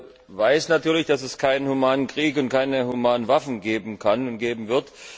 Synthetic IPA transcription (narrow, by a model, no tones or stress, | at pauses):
vaɪsnatʰyːɐlɪçd̥asɛskʰaɪnənhumaːnənkʁ̥iːk̬ʊnt̚kʰaɪnəhumaːnənvafn̩ɡeːbm̩kʰanʊntɡ̥eːbm̩vɪɐt